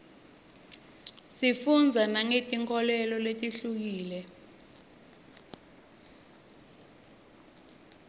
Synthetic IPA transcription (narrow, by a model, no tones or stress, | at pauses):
sifund͡zʱanaŋetʼiŋkʰɔlɛlɔletʼiɬuk̬iːlɛ